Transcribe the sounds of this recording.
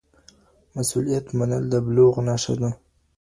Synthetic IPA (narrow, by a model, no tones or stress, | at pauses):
masulijat̪manəld̪əbloɣnaʃa̰d̪a